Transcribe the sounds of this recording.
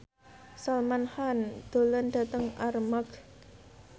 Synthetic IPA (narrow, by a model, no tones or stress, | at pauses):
salmanhand̪̥o̤lənɖa̤t̪əŋarmak